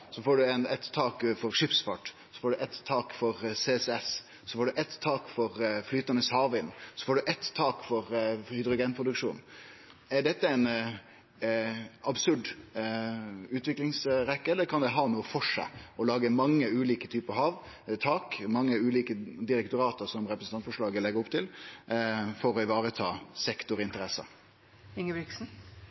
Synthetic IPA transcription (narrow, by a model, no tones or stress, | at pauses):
sɔfoːɖʉɛnɛt̪ʰːɑːkfɔɾʂɪpsfɑʈ | sɔ̥foːɖʉʔɛt̪ʰːɑːkfɔɾseːɛsɛs | sɔfoːɖʉʔɛt̪ʰːɑːkfɔɾflyːt̪ɑnəshɑːʋɪnsɔ̥foːɖʉʔɛt̪t̪ʰːɑːkfɔɾhɪd̪ɾʊɡɛnpʰɾʊd̪ʉkʂṵːn | æɖɛt̪ːəæɪn | ɑbsʉɖ | ʉːt̪ʋɪklɪŋsɾɛkːəɛlːəkʰɑnd̪ɛɦɑːnuːəfɔʂæ̰ɪɔlɑːɡəmɑŋːəʉːliːkət̪ʰyːpəɦɑːʋ | t̪ʰɑːkmɑŋːəʉːliːkəd̪ɪɾɛkt̪ʊɾɑːt̪əsɔmɾɛpɾəsnɑnfɔʂɭɑːɡəlɛɡəɾɔpt̪ʰɪl | fɔɾɔɪʋɑːɾət̪ʰɑːsɛkt̪ʊɾɪnt̪əɾɛsɑ̰ | ɪŋəʋɪksn̩